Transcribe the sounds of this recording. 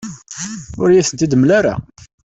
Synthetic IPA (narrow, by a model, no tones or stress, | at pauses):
ʊɾjæθənt̪id̪əmlaɾa̰